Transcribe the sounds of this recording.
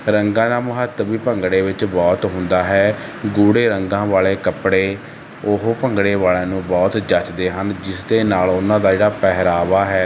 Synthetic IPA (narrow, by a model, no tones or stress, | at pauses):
ɾəŋɡãːd̪aːmʊɦət̪ːəbiːpəŋɡɽeːʋɪt͡ʃbɔːt̪ɦʊ̃nd̪aːɦɛːɡuːɽeːɾəŋɡãːʋaːɭeːkəpɽeː | ʊɦpəŋɡɽeːʋaːɭeːnũːbɔːt̪d͡ʒət͡ʃd̪eːɦənd͡ʒɪsd̪eːnaːlʊnãːd̪aːd͡ʒeːɽaːpɛɦɾaːʋaːɦɛː